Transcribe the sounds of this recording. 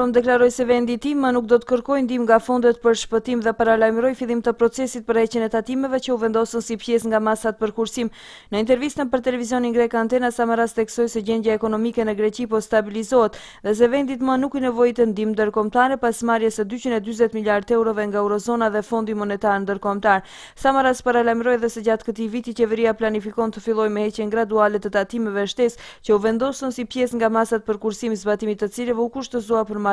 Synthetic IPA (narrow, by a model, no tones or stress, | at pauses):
ɔmd̪ɛklaɾɔjsɛvɛnd̪it̪imənuk̚d̪ɔt̪ə̥kəɾkɔjnd̪imŋɡafɔnd̪ɛt̪pəɾʃpət̪imðɛpaɾalajmɾɔjfilˠimt̪əpɾɔt͡sɛsit̪̚pəɾhɛcənɛt̪at̪imɛvɛt͡ɕəuvɛnd̪ɔsənsipjɛsŋɡamasat̪̚pəɾkuɾsim | nəint̪ɛɾvist̪ənpəɾt̪ɛlɛvizjɔninɡɾɛkant̪ɛnasaməɾast̪θɛksɔjsɛɟɛnd̪jaɛkɔnɔmikɛnɛɡɾɛcipɔst̪abilizɔɛt̪ | ðɛs̬ɛvɛnd̪it̪manukinɛvɔjit̪ənd̪imnd̪əɾkɔmt̪aɾɛpasmaɾjɛsəd̪yt͡ɕinɛd̪yzɛt̪miljaɾd̪ɛwɾɔvɛŋɡaɛwɾɔzɔnaðɛfɔnd̪imɔnɛt̪aɾənd̪əɾkɔmt̪aɾ | samaɾaspaɾalajmɾɔjðɛsɛd͡ʑat̪kət̪ivit̪it͡ɕɛvɛɾiaplanifikɔnt̪əfilˠɔjmɛhɛcɛnɡɾad̪ualɛt̪ət̪at̪imɛvɛʃt̪ɛscəuvɛnd̪ɔsunsipjɛsŋɡamasat̪̚pəɾkuɾsimzbat̪imit̪ːət͡silɛvɛukuʃt̪əzuapəɾma